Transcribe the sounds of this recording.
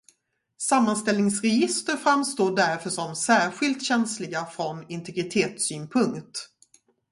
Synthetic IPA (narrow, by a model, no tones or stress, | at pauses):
samːanst̪ɛlnɪŋsɾɛjɪst̪əɾfɾamːst̪oːɖæɾfœʂɔmsæːɾɧɪlt̪ɕɛnslɪɡafɾɔnɪnt̪ʰɛɡɾɪt̪ʰeːt̪syːnpʰɵŋkt̪